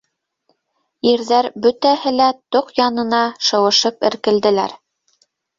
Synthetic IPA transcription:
iɾðæɾbɵt̪æhɘlæt̪oqjɑnɤ̆nɑʃɤ̆wɤ̆ʃɤpɘ̆ɾkɘ̆ld̪ɘ̆læ̰ɾ

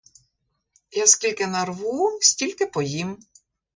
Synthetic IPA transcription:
jasʲkʲilʲkɪnɐrʋusʲtʲilʲkɪpɔjim

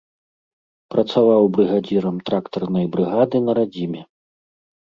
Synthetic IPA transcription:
pɾɐt̪savawbɾɨɣad͡zʲiɾɐmt̪ɾakt̪ɐrnɐjbɾɨɣad̪ɨnɐɾad͡zʲimʲɛ

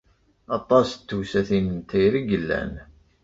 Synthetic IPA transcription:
ɑt̪ˤːɑst̪ːusæθinənt̪ʰæjɾiɡəlːæ̰n

